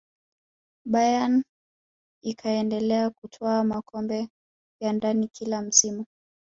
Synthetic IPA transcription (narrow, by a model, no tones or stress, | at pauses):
ɓajan | ikʰaɛndɛlɛakutʰɔamakʰɔmbɛ | jandanikʰilam̩simu